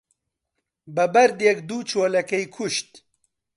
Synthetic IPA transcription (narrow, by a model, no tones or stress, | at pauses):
bəbɐɾd̪jɛkd̪uːt͡ʃoːlɐkɛjkʰuʃt̪